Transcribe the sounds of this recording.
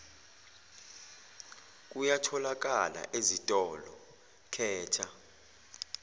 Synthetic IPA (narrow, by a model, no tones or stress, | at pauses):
k̬ʼujatʰɔlak̬ʼala̰ʔezitʼɔlɔ | kʰɛːt͡ʃʰa